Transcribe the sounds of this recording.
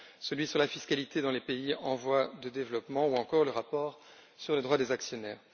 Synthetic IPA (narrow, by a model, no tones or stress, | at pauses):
səlɥisyʁlafiskalit̪ed̪ɑ̃lepeiɑ̃vwad̪əd̪evlɔpmɑ̃uɑ̃kɔʁləʁapɔːʁ | syʁled̪ʁwad̪ezaksjɔnɛːʁ